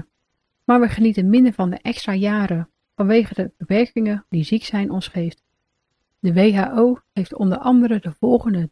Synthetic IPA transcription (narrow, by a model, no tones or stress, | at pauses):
maːɹʋəχənitənmɪndəɹvɑndəʔɛkstraːjaːɾə | v̥ɑnʋejχədəb̥əpɛɹkɪŋədiziksɛjnʔɔnsχejft | dəʋejɦaːʔowχejftɔ̰ndəɹʔɑndəɾədəvɔlˠχəndə